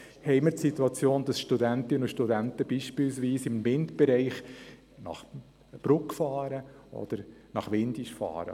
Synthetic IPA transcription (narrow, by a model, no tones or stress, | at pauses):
hɛɪməɾtsit̪uɑt͡sjoːnd̥̪ɑsʃtud̪ænt̪ɪnəʊʃtudænt̪əb̥iːʃpɪlsʋiːsɪmvɪntb̥ɛɾɛɪχ | nɑ̰χ | b̥ɾʊkfɑːɾəʔɔ̰d̪̥əɾnɑχʋɪnd̥̪iʃfɑ̰ːɾə̰